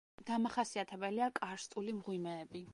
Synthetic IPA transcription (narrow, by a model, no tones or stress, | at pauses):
d̪̥amaχasiat̪ʰɛbɛliakʼaɾst̪ʼulimʁwimɛːbi